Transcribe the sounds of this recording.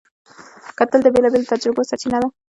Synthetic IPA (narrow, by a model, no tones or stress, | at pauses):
kat̪əld̪əbelabelot̪ad͡ʒɾʊɡosat͡ʃinad̪a